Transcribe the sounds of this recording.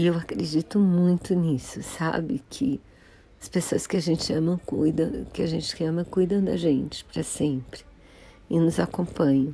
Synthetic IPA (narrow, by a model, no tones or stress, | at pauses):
ewakɾed͡ʒit̪ʊmũj̃t̪ʊnisʊsa̰bɪkʰɪ | ɐspesoɐskɪaʒẽnt͡ʃɪɐ̃mɐ̃w̃kujd̪ɐ̃w̃kɪaʒẽnt͡ʃɪ̥ɐ̃mɐkujd̪ɐ̃w̃d̪ɐ̰ʒẽnt͡ʃɪ̥pɾɐsẽpɾɪ̥ | ɪnʊzakõpɐ̃ɲɐ̃w̃